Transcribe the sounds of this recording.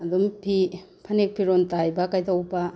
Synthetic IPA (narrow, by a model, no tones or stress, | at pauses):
ɐdumpʰipʰɐnek̚pʰiɾontajbɐkajtawba